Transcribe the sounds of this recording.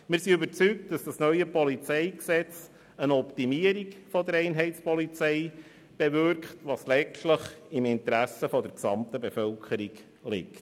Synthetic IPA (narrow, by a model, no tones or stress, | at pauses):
mɪɾsiʏbəɾt͡syk̚t̚d̥ɑsd̥ɑsnœʏəpɔlit͡sɛɪksɛt͡s | ənɔptimiəɾikfɔdəɾɛɪnɦɛɪtspɔlit͡sɛɪ | b̥evʏɾkχtʋɑːslɛtləχɪmɪntəɾæsəfɔdəɾksɑmt̪əbefœlkʰχəɾiɡ | lɪ̰kt